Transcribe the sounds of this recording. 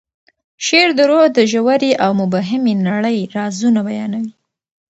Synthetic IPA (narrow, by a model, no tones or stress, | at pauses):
ʃeɾd̪əɾod̪əʒawaɾiʔawmʊbɑɦɪmenaɽəjɾɑzunabajɑnawi